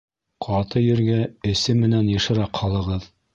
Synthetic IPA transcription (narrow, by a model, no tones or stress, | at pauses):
qʰɑt̪ɤjɘ̆ɾɡæɘ̆sɘmːɘ̆nænjɤ̆ʃɤ̆ɾɑqhɑlˠɤ̆ʁɤð